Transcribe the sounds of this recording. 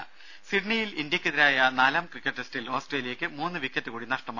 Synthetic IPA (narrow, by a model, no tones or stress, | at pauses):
siɖnijilindjɐkʲːɨðiɾaːjɐnaːlaːmkrikːɐʈːestilo̞ːsʈreːlijɐkʲːɨmuːnːɨʋikʲːɐtːɨkuːɽinɐʂʈɐmaː